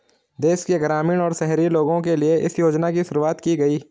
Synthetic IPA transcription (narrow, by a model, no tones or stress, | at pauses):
d̪eːʃkiəɡɾaːmiːɽ̃ɔːɾsɛɦɾiloːɡõk̬elieʔɪsjoːd͡ʒnakiʃʊɾuaːt̪kiɡɐiː